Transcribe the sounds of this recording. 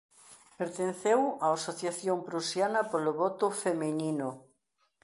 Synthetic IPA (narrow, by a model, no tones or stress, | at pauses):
peɾt̪ẽnθewaasoθjaθjoŋpɾusjanɐpoloβɔt̪ʊfemeninʊ